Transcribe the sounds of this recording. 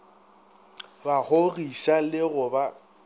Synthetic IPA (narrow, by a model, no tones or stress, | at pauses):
bahoɣiʃalɪɣʊba